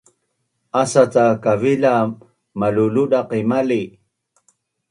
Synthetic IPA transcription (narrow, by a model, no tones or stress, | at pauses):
asat͡sakavila | maluluɗaqimali